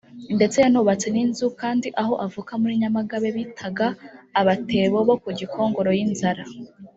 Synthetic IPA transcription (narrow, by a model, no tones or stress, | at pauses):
nde̞t͡se̞januβat͡se̞ninzukaːndiʔaɦo̞ʔavukamuɾiɲamaɡaβeβitʰaɡaːβate̞βoβo̞kuɟikʰo̞ːŋɡo̞ɾo̞jinzaɾa